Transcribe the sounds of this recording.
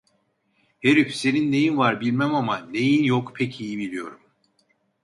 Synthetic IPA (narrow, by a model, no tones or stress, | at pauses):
heɾifse̞ninːe̞jinvaɾbilʲmæmamane̞jinjokpʰɛcʰijibilʲijo̞ɾum